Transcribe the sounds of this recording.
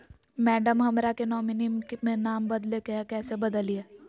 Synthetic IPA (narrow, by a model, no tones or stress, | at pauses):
mɛːɖəmɦɐmɾakenɔːmɪnimmẽnaːmbɐd̪lekekɛːsebɐd̪əlieː